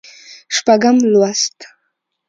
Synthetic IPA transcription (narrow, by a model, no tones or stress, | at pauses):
ʃpaɡamlwast̪